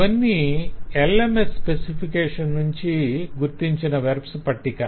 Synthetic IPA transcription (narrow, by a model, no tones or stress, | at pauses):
ɐnːielemesspesipʰikeːʂɐnnuɲt͡ʃiɡuɾt̪iɲt͡ʃinɐʋeɾpspɐʈːika